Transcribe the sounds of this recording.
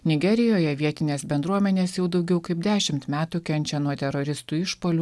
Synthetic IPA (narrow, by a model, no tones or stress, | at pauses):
nʲɪɡʲɛɾʲɪjoːjɛʋʲiɛt̪ʲɪnʲeːsbʲɛnd̪ɾuɔmʲɛnʲeːsjɛʊd̪ɐʊɡʲɛʊkɐɪpd̪ʲæːʃʲɪmt̪mʲæːt̪ukʲɛnʲt͡ʃʲɛnuɔt̪ʲɛɾoɾʲɪst̪uːɪʃpoːlʲu